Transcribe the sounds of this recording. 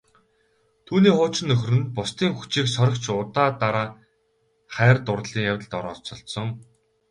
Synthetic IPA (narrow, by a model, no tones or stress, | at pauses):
t̪ʰuːniːχʊːt͡ɕɪ̆nːɵxrɘ̆npʊst̪iːŋxu̥t͡ɕiːksɔɾɞ̆kt͡ɕʰʊt̪aːt̪aɾaː | χæːrt̪ʊrɮiːŋjawʲə̆ɮt̪ɔɾɔ̰ːt͡ɕɞ̆ɬsɞ̆ŋ